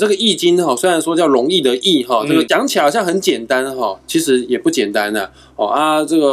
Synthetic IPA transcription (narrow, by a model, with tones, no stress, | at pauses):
ʈ͡ʂɤ˥˩ɡə˩i˥˩t͡ɕi˦nxɔ˥˩swe˥a˧˦nʂwɔ˥t͡ɕjɑ˥˩ʊlʊ˧˦ŋi˥˩d̪ə˨˩ʔi˥˩xɔ˥˩ʈ͡ʂɤ˥˩ɡə˨˩t͡ɕjɑ˧˥˦ŋt͡ɕʰjɕjɑ˥˩ŋxə˧˦nt͡ɕjɛ˨˩nt̪a˦nxɔ˥˩t͡ɕʰi˧˥ʂɻ̩˧˥jɛ˨˩pu˥˩t͡ɕjɛ˨˩nt̪a˦nə˨˩ | ɔ̰˥˩a˧ʈ͡ʂɤ˥˩ɡə˩